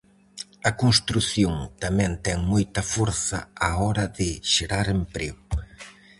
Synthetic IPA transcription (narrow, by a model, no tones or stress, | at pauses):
ɐkonst̪ɾuθjoŋt̪amɛ̃nt̪ɛŋmojt̪ɐfoɾθɐ̰aɔɾɐðɪʃeɾaɾempɾeɣʊ